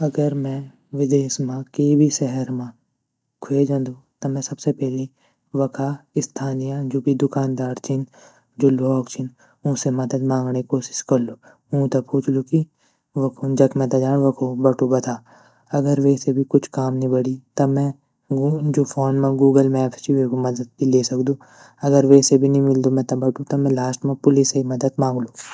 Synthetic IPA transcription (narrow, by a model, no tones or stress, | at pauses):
ɐɡəɾmɛ̃ | ʋɪd̪eːsmãkebʱiʃɛɦəɾmã | kʰeːd͡ʒãːnd̪ut̪ɐmɛ̃sɐbsepɛːli | ʋɐkʰaɪst̪ʰaːnijãd͡ʒoːbʱid̪ʊkaːnd̪aːɾt͡ʃɪn | d͡ʒoloɔːkt͡ʃʰɪn | ũːsemɐd̪əd̪mãːŋɡnekoːʃɪ̥ʃkɐɾlu | ũːt̪ɐpʰuːt͡ʃʰluki | ʋɐkʰud͡ʒɐkmɛ̃t̪ad͡ʒaːɽʋɐkʰobɐʈʰubɐt̪ʰaː | ɐɡəɾʋeːsebʱikʊt͡ʃʰkaːmnĩbɐɽit̪ɐmɛ̃ | d͡ʒoːpʰoːnmẽɡuːɡəlmɛːpt͡ʃiʋekomɐd̪əd̪̚bileːsɐkd̪ũː | ɐɡəɾʋeːsebʱinɐɦĩmɪld̪omɛ̃t̪ɐbɐʈut̪ɐmɛ̃laːsʈmãpʊlɪsemɐd̪əd̪mãːŋɡluː